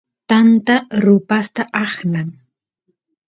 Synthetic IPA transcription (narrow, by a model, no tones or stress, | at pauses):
t̪ant̪aɾʊpast̪aʔɑχnaŋ